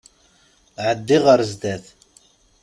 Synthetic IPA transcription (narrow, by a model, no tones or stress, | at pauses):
ʕəd̪ːiʁəɾzd̪æθ